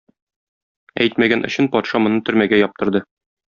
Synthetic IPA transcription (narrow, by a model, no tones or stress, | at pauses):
æ̰jt̪mæɡænʔɵ̆ɕɘnpɒt̪ʃɑmŏnɤt̪ɵ̆ɾmæɡæjɒp̚t̪ɤ̆ɾd̪ɤ